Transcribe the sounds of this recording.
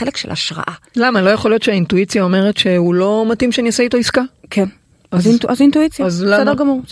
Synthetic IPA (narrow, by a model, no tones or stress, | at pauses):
elekʃelʔa̰ʃʁa̰ʔalamalo̞jaχo̞ljo̞tʃeaintuit͡sjao̞me̞ʁe̞tʃe̞hulo̞matimʃeniseito̞iskakʰen | azinʔazintuit͡sjaazadeɡamuʁ